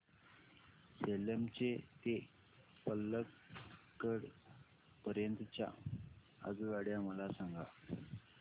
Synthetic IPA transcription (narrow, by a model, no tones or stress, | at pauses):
seləmt͡ɕet̪e | pəlːəkː | əɽ | pəɾjənt̪ət͡ɕja̰ | ə̰d͡zuʋaɽjaməlasaŋɡa̰